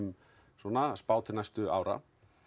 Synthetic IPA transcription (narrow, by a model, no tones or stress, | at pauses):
m | sɔːnaspaːwt̪ʰɪnajst̪ʏa̰ːwɾa̰